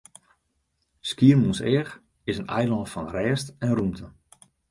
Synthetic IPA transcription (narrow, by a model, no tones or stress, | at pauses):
skiərmunsɛːx | ɪsənɛjlɑntfɔnrɛːstɛnrumtʰə